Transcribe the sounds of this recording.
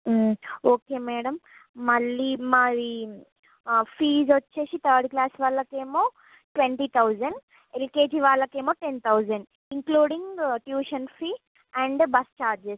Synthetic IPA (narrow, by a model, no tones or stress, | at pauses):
oːkeːmɛːɽɐmː | ɐlːimaɾi | fiːzʋɐt͡ʃːeːsit̪ʰəːɾɖklaːsʋaːlːɐkeːmoː | ʈʋeɳʈit̪ʰɐwd͡ʒɐɳɖ | elkeːd͡ʒiːʋaːlːɐkeːmoːʈent̪ʰɐwzɐɳɖ | iŋkluːɖĩŋɡʈjuːʃɐnfiː | ɛ̃ɳɖbɐst͡ʃaːɾd͡ʒes